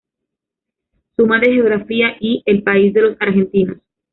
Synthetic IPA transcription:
sumaðe̞xeo̞ɣɾafiaʔie̞lpais̬d̪e̞lo̞saɾxe̞nt̪inos

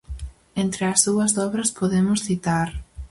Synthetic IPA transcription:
ent̪ɾɪɐzðuɐzðɔβɾɐspoðemʊsθit̪aɾ

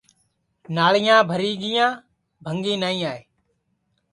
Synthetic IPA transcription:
naːɭɪjãːbʱəɾiːɡɪjãː | bʱəŋɡĩːnaːĩːaːeː

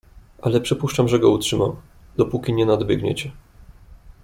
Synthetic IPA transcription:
ʔalɛpʂɘpuʂt͡ʂamʐɛɡɔutʂɘmam | d̪̥ɔpukʲiɲɛnad̪bjɛɡɲɛ̰t͡ɕɛ

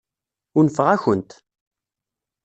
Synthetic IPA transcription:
ʊɾnəfəʁæçənt̪

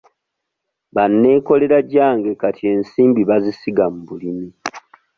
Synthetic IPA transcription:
βanːe̞ːko̞le̞ɾaɟaːŋɡe̞katie̞ːnsiːmbiβazisiɡamuβulimi

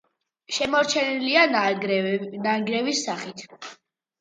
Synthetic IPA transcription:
ʃɛmɔɾt͡ʃʰɛnilian | naŋɡɾɛvisːaχit̪ʰ

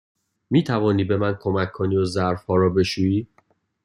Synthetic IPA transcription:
miːt̪ʰævɒːniːbe̞mænkʰo̞mækʰːoniːozæɾfhɒːɾɒːbe̞ʃuːiː

